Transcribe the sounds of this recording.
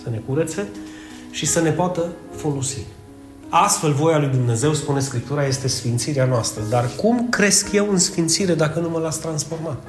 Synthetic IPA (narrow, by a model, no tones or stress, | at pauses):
səne̞kuɾət̪se̞ | ʃisəne̞poat̪əfo̞losi | ast̪fe̞lvo̞jalujd̪umne̞ze̞wspune̞skɾip̚t̪uɾaje̞st̪e̞sfint̪siɾeanoast̪ɾəd̪arkumkɾe̞skje̞wɨnsfint̪siɾe̞d̪akənuməlat̪sʲt̪ɾansfo̞rmat̪